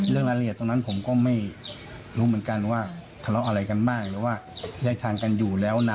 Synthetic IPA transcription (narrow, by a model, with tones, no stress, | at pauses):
lɯ˥˩əŋlaː˧˥li˧˩t̪ːo˧ŋna˦˥npʰo˩˦mkɔː˥˩ma˥˩j | ɾuː˦˥mɯ˩˦ə˦nka˧nwaː˥˩ | t̪ʰa˧lɔ˦˥ʔa˧ɾa˧jka˧nmaː˥˩k̚lɛː˨˦˥waː˥˩jaː˧˥˩jt̪ʰaː˧ŋka˧njuː˨˩lɛː˦˥wna˧